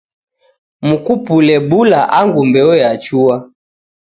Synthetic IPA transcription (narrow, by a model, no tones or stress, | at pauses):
mukupulɛbulaʔaŋɡumbɛɔjat͡ʃua